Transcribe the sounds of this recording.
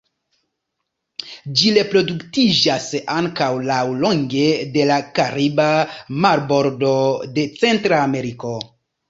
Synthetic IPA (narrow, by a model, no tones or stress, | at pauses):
d͡ʒile̞pɾo̞duktid͡ʒasaŋkawlawlo̞ŋɡe̞de̞lakaɾibamaɾbo̞ɾdo̞de̞t͡se̞ntɾaːme̞ɾiko̞